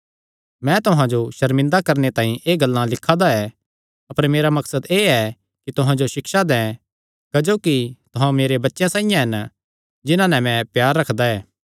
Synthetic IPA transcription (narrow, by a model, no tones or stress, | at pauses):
mɛ̃t̪ʊɦãd͡ʒoʃɐɾmɪ̃nd̪akɐɾnet̪ãːĩʔeːɡɐlːãlɪkʰad̪aɛ | ɐpəɾmeːɾamɐksəd̪eːɛ | kit̪ʊɦãd͡ʒoʃɪkʃad̪ɛ̃ː | kɐd͡ʒoːkit̪ʊɦãmeːɾebɐtːʃjãsaːijãɦɐn | d͡ʒɪnãnɛmɛ̃pjaːɾːɐkʰd̪aɛː